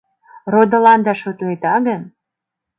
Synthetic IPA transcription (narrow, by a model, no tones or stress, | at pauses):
rod̪olɑnd̪ɑʃot̪let̪ɑɣən